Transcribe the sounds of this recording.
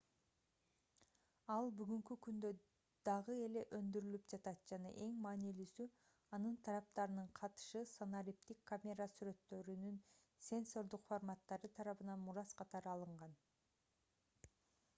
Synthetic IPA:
ɑlˠbyɡyŋkykynd̪ø | d̪̥ɑʁɯe̞le̞ʔønd̪yɾylypd͡ʒɑt̪ɑt̪̚d͡ʒɑnɑ̰ʔe̞ŋmɑːnilysy | ɑnɯnt̪ʰɑɾɑp̚t̪ɑɾɯnɯɴqʰɑt̪ɯ̥ʃɯsonaɾʲipt̪ikːamʲeɾasyɾø̞t̪ːø̞ɾynyn | sʲe̞nso̞ɾd̪uqfoɾmat̪ːɑɾɯt̪ʰɑɾɑβɯnɑnmuɾɑzqʰɑt̪ɑɾɯɑlˠɯɴʁɑn

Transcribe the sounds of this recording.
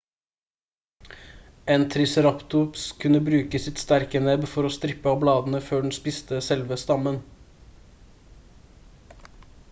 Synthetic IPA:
eːnt̪ʰɾɪsəɾɑpt̪ʊpskʰʉnəbɾʉːkəsɪt̪st̪æɾkənɛbfɔɾoːst̪ɾɪpəɑːblɑːd̪n̩əføːɖɳ̩spɪst̪əsɛlʋəst̪ɑmən

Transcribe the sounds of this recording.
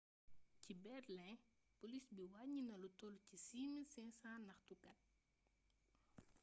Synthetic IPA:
cibɛrlɛ̃ | polisbiwaɲːinɐlutɔlcisimilsɛ̃sãːnɐxtukɐt̚

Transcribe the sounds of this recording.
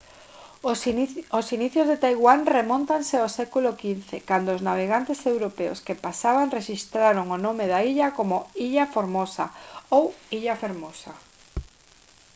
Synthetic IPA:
osiniθjozðet̪ajɣwaŋremõnt̪anseawsɛkulokin̟θekand̪oːznaβ̞eɣant̪esewɾopeo̰skepasaβaŋreʃist̪ɾaɾoŋonõmeðaiʎakomoiʎafoɾmosa̰owiʎafeɾmosa

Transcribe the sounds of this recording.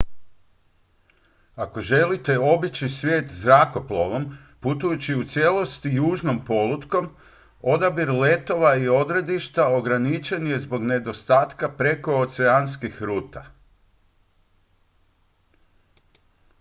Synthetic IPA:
ako̞ʒe̞lit̪e̞o̞bit͡ɕisʋje̞ːt̪zɾako̞plo̞ʋo̞m | put̪ujut͡ɕiut̪sje̞lo̞st̪ijuːʒno̞mpo̞lˠut̪ko̞m | o̞d̪abiɾle̞t̪o̞ʋaio̞d̪ɾe̞d̪iʃt̪ao̞ɡɾanit͡ʃe̞nije̞zbo̞ɡne̞d̪o̞st̪aːt̪kapɾe̞ko̞ot̪seanskixɾuːt̪a

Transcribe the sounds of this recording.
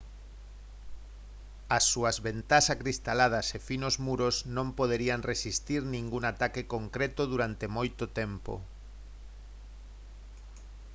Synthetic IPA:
asːuɐzβent̪asakɾist̪alað̞ɐsefinozmuɾoznõmpoð̞eɾiaŋresist̪iɾnĩŋɡuŋat̪akekoŋkɾet̪oðuɾant̪emojt̪ot̪empo̰

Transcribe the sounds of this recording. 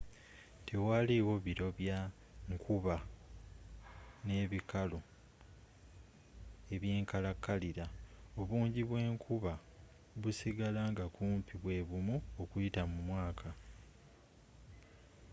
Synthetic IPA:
tʰe̞waliwo̞βiɾo̞βja | ŋkʰuβa | ne̞ːβikalo̞ | e̞βje̞ːŋkalakːaliɾao̞βuːɲɟiβwe̞ːŋkʰuβa | βusiɡalaːŋɡakuːmpʰiβwe̞ːβumuokujitamumwaːkʰa

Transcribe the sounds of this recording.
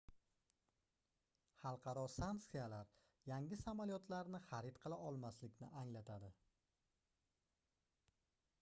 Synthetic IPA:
χɑlˠqʰɑɾɒsaŋksijalaɾ | jaŋɪsamalijɒt̪ʰlaɾnɪχaɾɪt̪qʰɨlˠaʔɒlˠmaslɪkʲnɪʔaŋlat̪ʰad̪ɪ

